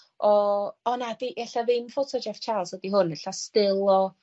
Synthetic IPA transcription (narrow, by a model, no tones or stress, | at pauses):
ɔɔnadiʔɛɬaðɪmfotʰɔd͡ʒɛft͡ʃʰalˠsədiɦʊnɛɬastɪlˠɔ